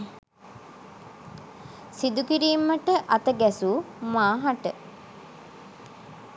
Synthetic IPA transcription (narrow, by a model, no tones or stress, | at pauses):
sid̪ukiɾiːmːəʈəʔɐt̪əɡæsu | maːɦaʈə